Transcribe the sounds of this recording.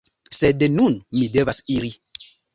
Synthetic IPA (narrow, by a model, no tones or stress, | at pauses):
sednunmide̞vasiɾi